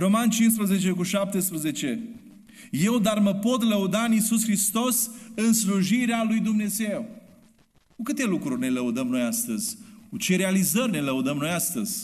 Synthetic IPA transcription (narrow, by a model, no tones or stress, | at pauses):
ro̞mant͡ʃins̬pɾəze̞t͡ʃe̞kuʃap̚t̪espɾəze̞t͡ʃe̞ | je̞wd̪arməpo̞t̪ləud̪aɨnisusxɾist̪o̞sɨnsluʒiɾealujd̪umne̞zew | kukɨt̪e̞lukɾurʲne̞ləud̪əmno̞jast̪əzʲkut͡ʃe̞ɾealizərʲne̞ləud̪əmno̞jast̪əz̥ʲ